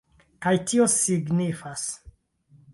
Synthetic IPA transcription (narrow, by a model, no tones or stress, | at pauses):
kajtio̞siɡnifas